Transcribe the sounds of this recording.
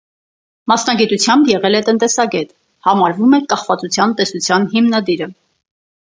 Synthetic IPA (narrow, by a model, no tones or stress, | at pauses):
mɑsnɑɡit̪ut͡sʰjɑmbjɛʁɛlɛt̪ənt̪ɛsɑɡɛt̪ | hɑmɑɾvumɛkɑχvɑt͡sut͡sʰjɑnt̪ɛsut͡sʰjɑnɦimnɑd̪iɾə